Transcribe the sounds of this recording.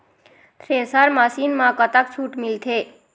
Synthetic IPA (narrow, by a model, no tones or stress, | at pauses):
t̪ʰɾesaɾmasinmãkət̪akt͡ʃʰuʈmɪlt̪ʰe